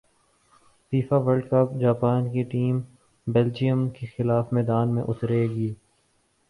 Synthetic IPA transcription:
fiːfaʋəlɖkəpd͡ʒaːpaːnkeʈiːm | bɛld͡ʒijə̃mkexɪlaːfmɛːd̪aːnmẽʔʊt̪ɾeːɡiː

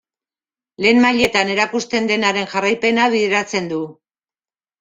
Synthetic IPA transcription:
le̞ːnmaʎe̞t̪ane̞ɾakust̪e̞nd̪e̞naɾe̞nʝarajpe̞naβ̞iðeɾat͡se̞nd̪u

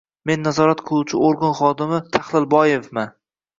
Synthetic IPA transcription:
me̞nːazɒɾat̪qʰɨlˠuwt͡ʃʰɪoɾɡɒnχɒd̪ɪmɪt̪ʰaχlˠɪlbɒjefman

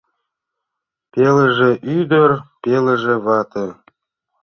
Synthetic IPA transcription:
peləʒeʔyd̪ə̆rpelə̆ʒĕβɑt̪ə

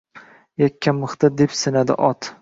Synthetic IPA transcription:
jakʲʰːamːɨχt̪ad̪epsɪnad̪ɪ̰ʔɒt̪

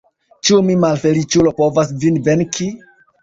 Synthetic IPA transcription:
t͡ʃumimalfe̞lit͡ʃulo̞po̞vas̬d͡ʒinve̞nki

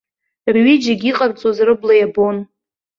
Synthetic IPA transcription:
rɥid͡ʒaɡʲiqʼart͡sʼwazrɨblajabo̞n

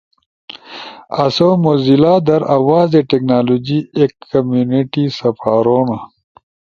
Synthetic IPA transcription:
ɐsomozilaːd̪ɐɾɐwaːzeʈeknaːlod͡ʑiekːɐmjuniʈisɐpaːɾoːna

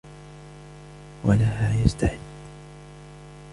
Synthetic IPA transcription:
walahaːjast̪aħɪd̪ː

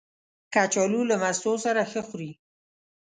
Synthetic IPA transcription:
kat͡ʃɔlulamasosaɾaxəxɾi

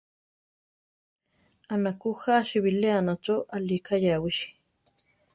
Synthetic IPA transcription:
anakuxaʃiβileanaʈ͡ʂoʔalikajawiʃi̥

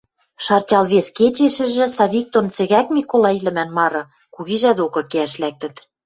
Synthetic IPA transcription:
ʃɑrtʲɑlβesket͡ɕeʃɘ̆ʒɘ̆sɑβʲik̚t̪ont͡sɘ̆ɣækmʲikolɑilɘ̆mænmɑɾɤ̆ | kuɣiʒæd̪okɤ̆keæʃlæk̚t̪ɘ̆t̪

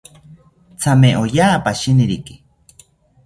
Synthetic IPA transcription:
t͡sʰameʔojaːpaʃiniɾiki̥

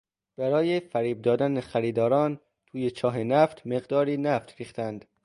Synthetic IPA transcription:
b̥æɾɒːjefæɾiːb̚d̪ɒːd̪ænexæɾiːd̪ɒːɾɒːn | t̪ʰuːjet͡ʃʰɒːɦenæft̪ʰme̞ɣd̪ɒːɾiːnæft̪ɾiːχt̪ænd̪

